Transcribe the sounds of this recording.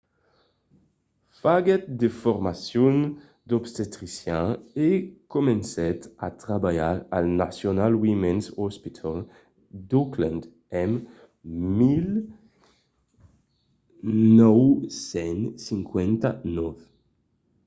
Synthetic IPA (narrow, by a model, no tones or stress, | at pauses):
faɡet̪̚d̪efoɾmasjun | d̪opst̪et̪ɾisjãekomensɛt̪a̰t̪ɾabajaʁa̰lnasjonalwimɛnsɔspit̪ʰɔl | d̪oklãnd̪ | ɛm | mil | nɔwsɛnsiŋkwɛnt̪anɔv